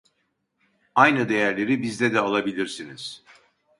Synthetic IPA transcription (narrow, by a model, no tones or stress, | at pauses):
ajnɯd̪e̞jæɾlʲe̞ɾibizd̪ɛd̪ɛalˠabilʲiɾsiniz̥